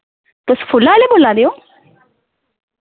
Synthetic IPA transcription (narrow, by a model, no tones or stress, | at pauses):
t̪osfʰulːaːlebolad̪ejo